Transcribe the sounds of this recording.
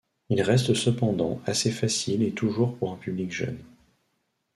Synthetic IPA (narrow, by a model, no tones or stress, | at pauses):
ilʁɛst̪səpɑ̃d̪ɑ̰̃asefasilet̪uʒuʁpuʁɛ̃pyblikʒœ̰n